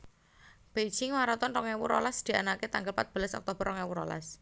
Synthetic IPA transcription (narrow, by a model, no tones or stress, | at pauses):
b̥e̥d͡ʒɪŋwaɾɔt̪ɔnɔŋɛwuɾɔlasd̪̥i̤anaket̪aŋɡəlpat̪̚b̥ə̤lasɔ̰k̚t̪ob̥əɾɔŋɛwuɾɔ̰la̰s